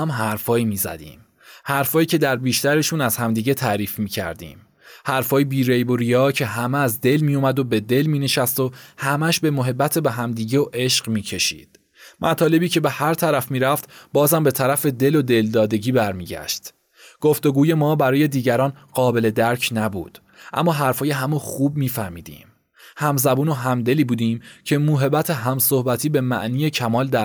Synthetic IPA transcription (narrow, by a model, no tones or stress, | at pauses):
mɦæɾfɒːjimiːzæ̰d̪ḭːm | hæɾfɒːjiːcʰe̞d̪æɾbiːʃt̪æɾe̞ʃuːnæz̥hæmd̪iːɟe̞t̪ʰæːɾiːfmiːcʰæ̰ɾd̪ḭːm | hæɾfɒːjebiːɾejboɾijɒːcʰe̞ɦæmeæzd̪e̞lmijomæd̪o̞be̞d̪e̞lmiːne̞ʃæst̪o̞hæmæʃbe̞moɦe̞bːæt̪ʰebeɦæmd̪iːɟeoʔe̞ʃɢmiːcʰe̞ʃḭːd̪̥ | mʔæt̪ʰɒːle̞biːcʰe̞be̞hæɾt̪ʰæɾæfmiːɾæft̪bɒːzæmbe̞t̪ʰæɾæfe̞d̪e̞lo̞d̪e̞ld̪ɒːd̪e̞ɟiːbæɾmiːɟæ̰ʃt̪ | ɡ̥o̞ft̪o̞ɡuːje̞mɒːbæɾɒːje̞d̪iːɟæɾɒːnɢɒːbe̞le̞d̪æɾcʰnæbṵːd̪̥ | ʔæ̰mːɒːɦæɾfɒːjeɦæmoxuːb̚miːfæhmiːd̪ḭːm | hæmzæbuːno̞ɦæmd̪e̞liːbuːd̪iːmcʰe̞muːɦe̞bæt̪ʰeɦæmso̞hbæt̪ʰiːbe̞mæ̰ʔniːjecʰæmɒːld̪æ